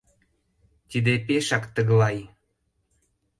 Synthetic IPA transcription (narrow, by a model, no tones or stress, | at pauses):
t̪id̪epeʃɑkt̪əɣlɑj